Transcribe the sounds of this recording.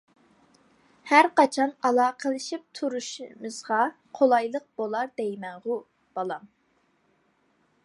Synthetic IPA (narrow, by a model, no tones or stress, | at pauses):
hæɾqɑt͡ʃʰɑnɑlˠɑːqʰəlˠɨʃip̚t̪ʰuɾuʃmɨz̥ʁɑ | qʰolˠɑjlˠəq̚b̥olˠɑɾd̪ɛjmɛŋʁʊ | b̥ɑlˠɑm